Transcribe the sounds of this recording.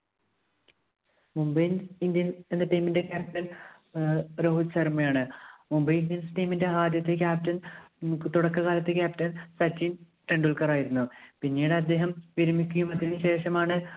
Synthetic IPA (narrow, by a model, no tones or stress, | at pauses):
mumbɐjnind̪jɐnend̪eʈijminde̞kʲaːp̚tɐn | ɾo̞ːɦusɐrmɐjaːɳɨmumbɐjind̪jɐnsɨʈiːminde̞aːd̪jɐt̪ːek̬ʲaːp̚tɐnt̪uɽɐkːɨɣaːlɐt̪ːe̞k̬ʲaːp̚tɐnsɐt͡ɕːin | ʈeɳɖulkɐraːjiɾunːupinːiːɽɨɐd̪ːe̞ːɦɐmʋiɾumikʲːujumɐt̪ːinɨɕe̞ːʂɐmaːɳɨ